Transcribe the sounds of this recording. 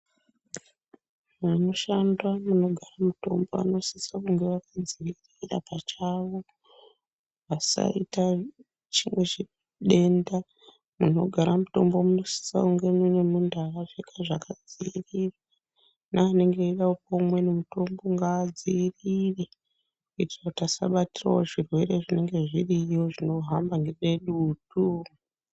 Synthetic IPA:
muno̞ʃandwamuno̞ɡʱaramuto̞̰mbo̞̰a̰no̞sisakuŋɡe̞ʋakad͡ziirira̰pat͡ʃaʋo̞ | ʋasa̰ita | t͡ʃimwe̞t͡ʃi | ɗe̞nda | muno̞̰ɡʱaɾamuto̞mbo̞munosi̥sa̰uŋɡe̞minemundaraʐekaʐakʰad͡ziːrira | naːne̞ŋɡeiɗaopomwe̞nemuto̞mbo̞ŋɡaːd͡ziːrire | itootasa̰ɓatira̰woʐirwe̞re̞ʐine̞ŋɡe̞ʐirijo̞ʐino̞ɦambaŋɡee̞ɗutu

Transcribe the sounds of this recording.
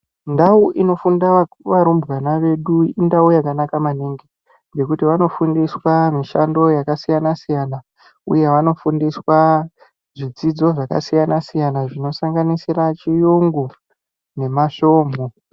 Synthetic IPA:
ndauʔino̞funda | ʋaɾumbuʋanaʋe̞ɗuindaujakanakamaniŋɡe | ŋɡe̞kutiʋano̞fundiswamiʃando̞jakasijanasijana | ṵje̞ʋano̞fundiswa | ʐid͡zid͡zo̞ʐaka̰sijanasijanaʐino̞saŋɡanisirat͡ʃijuŋɡu | ne̞maʃo̞ːmo

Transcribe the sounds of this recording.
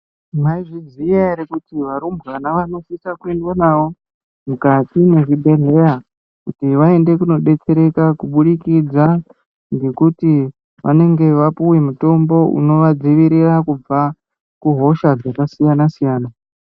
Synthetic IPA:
maiʐizijaɾekutiʋaɾumbɣanaʋano̞sisakwendwanawo̞ | mukatimeʐibʱe̞ɮe̞ɾa | kutiʋae̞nde̞kuno̞ɗe̞t͡se̞ɾe̞kakuɓuɗikid͡za | ŋɡe̞kuti | ʋa̰ne̞ŋɡe̞ʋapuwemuto̞mbo̞ṵno̞ʋad͡ziʋiɾirakub͡va | kuɦo̞ʃad͡zakasijanasijaːna

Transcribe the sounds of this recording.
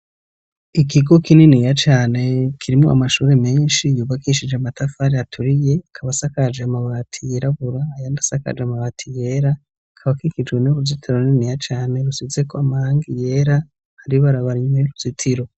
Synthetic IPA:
ikiɡo̞kininijat͡ʃaːne̞kʰiɾimŋo̰a̰maʃuːɾe̞meːnʃijuːβakiʃid͡ʒeamatafaɾeatʰuɾije̞kʰaβasakad͡ʒeamaβaːtʰijeɾaβuɾaːjaːndasaka̰d͡ʒeamaβaːtʰije̞ɾa | kʰaβakikid͡ʒɡweniuβuzitʰaɾonninijat͡ʃaːne̞ɾusize̞kʰoamahaːŋɡije̞ɾa | haɾiβaɾaβaɾiɲeuz̥itʰiɾo̞

